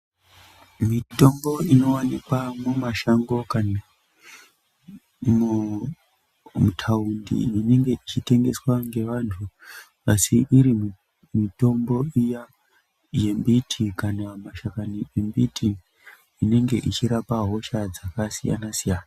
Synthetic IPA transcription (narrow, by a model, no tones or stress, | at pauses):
mito̞mbo̞ino̞wanikwamwumaʃaŋɡo̞kana | mu | mutʰaundḭine̞ŋɡe̞it͡ʃite̞ŋɡe̞swaŋɡe̞ʋantʰu | asiʔiɾim | mito̞mbo̞ija | je̞mbitʰikanamaʃakaniembitʰi | ine̞ŋɡe̞ʔit͡ʃiɾapaɦo̞ʃad͡zakasija̰nasijaːna